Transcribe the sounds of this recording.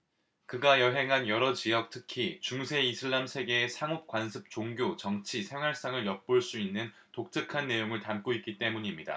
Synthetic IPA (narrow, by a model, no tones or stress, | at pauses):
kɯɡajʌɦe̞ŋɦanjʌɾʌt͡ɕijʌk̚tʰɯkʰit͡ɕuŋsʰe̞isʰɯɭːamsʰe̞ɡe̞ːsʰaŋop̚k͈wansʰɯp̚t͡ɕoŋɡjot͡ɕʌŋt͡ɕʰisʰe̞ŋɦwaɭs͈aŋɯɭjʌp̚p͈oɭs͈uinːɯn | tok̚t͡ɕ͈ɯkʰanːe̞joŋɯɭtamk͈oik͈it͈e̞muɲimɲida̰